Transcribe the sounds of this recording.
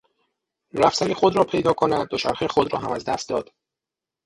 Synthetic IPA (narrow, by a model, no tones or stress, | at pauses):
ɾæfsænixod̪ɾɒːpʰe̞jd̪ɒːkʰonæd̪̚ːot͡ʃʰæ̰ɾxexod̪ɾɒːɦæmæ̰zd̪æ̰st̪̚d̪ɒ̰ːd̪̥